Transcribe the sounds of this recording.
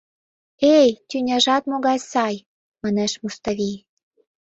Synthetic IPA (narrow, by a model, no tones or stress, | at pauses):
ejt̪ʲynʲɑʒɑt̪moɣɑjsɑj | mɑneʃmust̪ɑβʲij